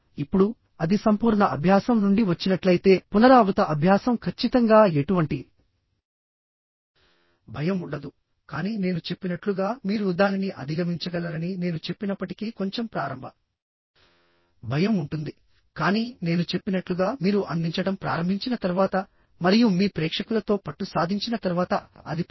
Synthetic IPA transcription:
ipːuɽu | ɐd̪isɐmpuːɾɳɐʔɐbʱjaːsɐmnuɳɖiʋɐt͡ʃːinɐʈlɐjit̪e̞ːpunɐɾaːʋut̪ɐʔɐbʱjaːsɐmkʰɐt͡ʃːit̪ɐŋɡaːe̞ʈuʋɐɳʈi | bʱɐjɐmuɳɖɐd̪u | kaːniːne̞ːnut͡ʃe̞pːinɐʈluɡaːmiːɾud̪aːniniʔɐ̰d̪ʱiɡɐmiɲt͡ʃɐɡɐlɐɾɐnine̞ːnut͡ʃe̞pːinɐpːɐʈikiko̞ɲt͡ʃe̞mpɾa̰ːɾɐmbʱɐ | bʱɐjɐmuɳʈund̪i | kaːniːne̞ːnut͡ʃe̞pːinɐʈluɡaːmiːɾuʔɐnd̪iɲt͡ʃɐɽɐmpɾa̰ːɾɐmbʱiɲt͡ʃinɐt̪ɐɾuʋaːt̪ɐ | mɐɾijumiːpɾɛːkʂɐkulɐt̪o̞ːpɐʈːusaːd̪ʱiɲt͡ʃinɐt̪ɐɾuʋaːt̪ɐɐ̰d̪ʱi

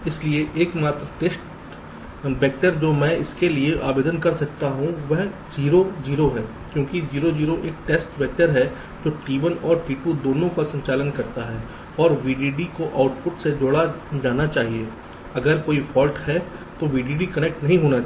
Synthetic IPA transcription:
ɪslieʔeːkmaːt̪ɾʈeːsʈ | bɛːk̚ʈəɾd͡ʒoːmɛ̃ɪskelieʔa̰ːbeːd̪ənkɐɾsɐk̚t̪aɦũʋɛɦ | d͡ʒiːɾod͡ʒiːɾoɦɛ̃ː | kjõːkid͡ʒiːɾod͡ʒiːɾoʔeːk̚ʈeːsʈbɛːk̚ʈəɾɦɛ | d͡ʒoːʈiːbənɔːɾʈiːpud̪oːnõkasɐ̃ɲt͡ʃaːlənkɐɾt̪aɦɛː | ɔːɾʋiːɖiːɖikoʔaːʊʈpʊʈsed͡ʒoːɽad͡ʒaːnat͡ʃaːɦie | ɐɡəɾkoːifʰɔːlʈhɛt̪oʋiːɖiːɖikɐnek̚ʈnɐɦĩɦoːna

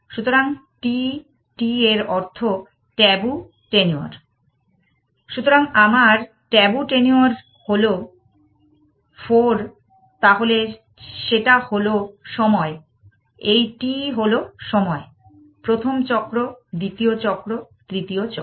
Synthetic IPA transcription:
ʃut̪oɾaŋʈi | ʈieɾɔɾt̪ʰo | ʈɛbu | ʈenua̰ɾ | ʃut̪oɾaŋamaɾ | ʈɛbuʈenioɾ | holo | foɾ | t̪aɦole | ʃeʈaholoʃɔmɔe | ejʈiɦoloʃɔmɔe | pɾot̪ʰomt͡ɕɔkːɾod̪it̪iot͡ɕɔkɾo | t̪ɾit̪iot͡ɕɔ

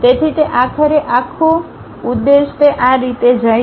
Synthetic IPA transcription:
t̪et̪ʰit̪eʔakʰəɾeʔakʰo | ud̪ːeʃt̪eʔãɾit̪ed͡ʒə

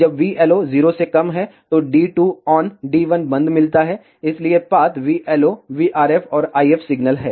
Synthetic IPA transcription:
d͡ʒɐbʋiːʔɛːloziːɾosekɐmɦɛt̪oɖiːʈuːɔːnɖiːʋɐnbɐ̃nd̪mɪlt̪aɦɛː | ɪsliepaːt̪ʋiːʔɛːloʋiːʔaːɾɛːfɔːɾaːiɛfʰsɪɡnəlɦɛː

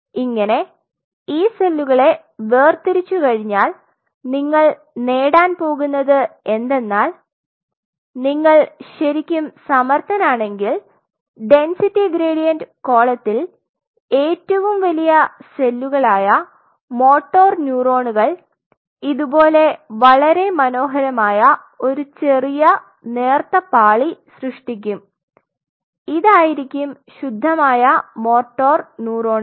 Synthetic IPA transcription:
iŋːɐne̞ | iːse̞lːuɣɐɭe̞ | ʋe̞ːrt̪iɾit͡ɕːukɐɻiɲːaːl | niŋːɐɭ | neːɽaːnpo̞ːɣunːɐðɨe̞nd̪e̞nːaːl | niŋːɐɭɕɐɾikʲːumsɐmɐrt̪ɐnaːɳe̞ŋɡil | ɖe̞nsitːiɡɾeːɽijɐndko̞ːɭɐt̪ːil | e̞ːtːɐʋumʋɐlijɐse̞lːuɣɐɭaːjɐ | mo̞ːʈːo̞ːrnjuːro̞ːɳuɣɐɭ | iðubo̞ːle̞ʋɐɭɐɾe̞mɐno̞ːɦɐɾɐmaːjɐ | o̞ɾut͡ɕe̞rijɐ | ne̞ːrt̪ɐpaːɭisrɨʂʈik̬ʲːum | iðaːjiɾikʲːumɕud̪ʱːɐmaːjɐmo̞ːʈːoːrnuːro̞ːɳɨ

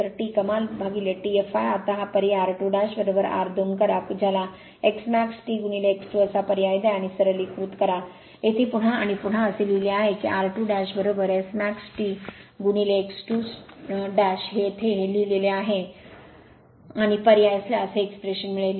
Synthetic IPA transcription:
əɾʈiːkəmalbʱaɡileʈiefajat̪aɦapəɾiaɾʈuɖæɕbəɾobəɾa̰ɾd̪ʱunkəɾapud͡ʑʱala | eksmæksʈiːɡunileeksʈuəsapəɾjajd̪aaɽ̃isəɾəlikɾut̪kəɾa | et̪ʰiːpuɽ̤aaːɽ̃ipuɽ̤aəselileaɦekḭʔaɾʈuɖæɕbəɾobəɾeksmæksʈiɡunileːksʈu | ɖæɕɦet̪ʰeɦelileleaɦe | aɽ̃ipəɾijajsljaəseːkspɾeɕənmiɭele

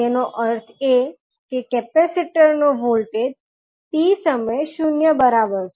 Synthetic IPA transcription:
enoʔəɾt̪ʰe | kekɛpɛsiʈəɾnoʋolʈed͡ʒ | t̪isəməjʃunjəbəɾabəɾʃe

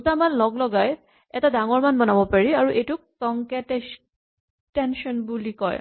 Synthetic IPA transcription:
utamanlɔɡlɔɡaj | ɛtadaŋɔɹmanbɔnabɔpaɹiaɹuʔejtʊk̚tɔŋkɛtɛ | tɛnʃɔnbulikɔ̰ɹ

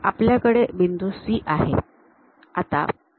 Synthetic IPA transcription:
apljakəɽebind̪usiːʔaɦḛ | at̪a̰

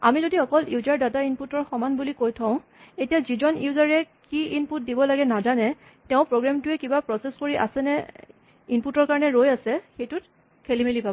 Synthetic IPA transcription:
a̰mizodixɔkɔljuzaɹdatainputɔɹxɔmanbulikojtʰɔʊ̃ | etijazizɔnjuzaɹɛkiinput̚dibɔlaɡɛnazanɛ | tɛʊ̃pɹoɡɹamtʊɛkibapɹɔseskoɹiʔa̰sɛnɛ | inputɔɹkaɹɔnɛɹojasɛxejtʊt̚ | kʰelimelipabɔ

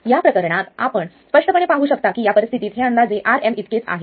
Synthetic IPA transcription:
japɾəkəɾɳ̃at̪a̰pəɳspəʂʈəpəɳepaɦuːɕəkt̪akiːjapəɾist̪ʰit̪iːt̪ɦeənd̪ad͡zeʔaɾemit̪ket͡sa̰ɦe

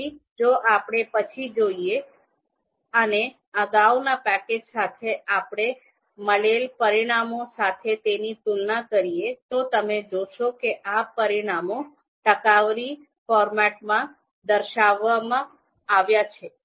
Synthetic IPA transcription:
id͡ʒoʔapɽ̃epət͡ʃʰid͡ʒoije | əne | əɡaʋnapɛked͡ʒsat̪ʰeapɽ̃e | məɭelpəɾiɽ̃amosat̪ʰet̪enit̪ulnakəɾijet̪ot̪əmed͡ʒoʃokeʔapəɾiɽ̃amo | ʈəkaʋɾi | fɔɾmɛʈmã | d̪əɾʃaʋːamã | aʋjat͡ʃʰe

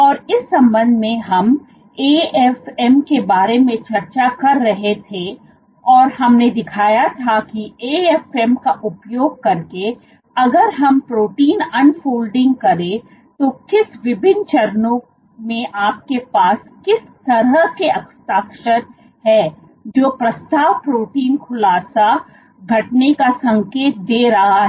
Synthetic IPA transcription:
ɔːɾɪsːɐ̃mbə̃nd̪ʱmẽɦɐm | eːɛfɛmkebaːɾemẽt͡ʃɐɾt͡ʃakɐɾːɐɦet̪ʰe | ɔːɾhɐmned̪ɪkʰaːjat̪ʰakieːɛːfɛːmkaʔʊpjoːɡ̚kɐɾke | ɐɡəɾɦɐmpɾoːʈiːnɐnfoːlɖɪ̃ŋɡ̚kɐɾẽ | t̪okɪsʋɪbʱɪnt͡ʃɐɾnõ | mẽʔaːp̚kepaːskɪst̪ɐɾəɦkeɐkst̪aːkʃəɾ | ɦɛː | d͡ʒoːpɾɐst̪aːʋpɾoːʈiːnkʰʊlaːsa | ɡʱɐʈnekasɐ̃ŋkeːt̪̚d̪eːɾɐɦaɦɛ

